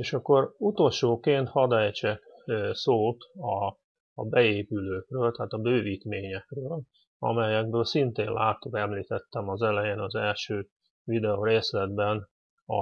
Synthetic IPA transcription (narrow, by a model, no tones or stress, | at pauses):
eːʃɒkːo̞ɾut̪o̞lʃoːkeːnt̪hɒd̪ɛɛt͡ʃɛk | soːt̪ɒː | bɛeːpyløːkrøːlt̪ɛɦaːt̪ɒbøːvit̪meːɲɛkrøːl | ɒ̰mɛjɛɡ̚bøːlsint̪eːnlʔa̰ːt̪ukɛmliːt̪ɛt̪ːɛmɒzɛlɛjeːnɒzɛlʃøː | vid̪ɛoɾeːslɛd̪bɛn | ɒ̰